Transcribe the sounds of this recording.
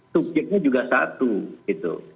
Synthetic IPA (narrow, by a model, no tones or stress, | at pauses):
sud͡ʒɪk̚ɲad͡ʒuɡasa̰t̪uɡit̪ṵ